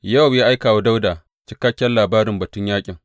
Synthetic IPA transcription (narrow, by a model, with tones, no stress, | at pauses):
jɐ˦˨wjaː˦ʔa˦jkaː˨wa˦da˦wdaː˨ | t͡ʃɪ˦kːa˦kʲːɛ˦nlaː˨baː˦ɾɪ˨mbɐ˨tʊ˦ɲjaː˦kʲʼɪ˨ŋ